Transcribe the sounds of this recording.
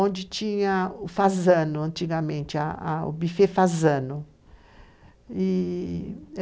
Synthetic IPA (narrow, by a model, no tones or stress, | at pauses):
õnd͡ʒɪt͡ʃĩɲɐʊfazɐ̃nʊɐ̃nt͡ʃiɡɐmẽnt͡ʃɪa̰a̰ʊ̰bifefazɐ̃nʊ | i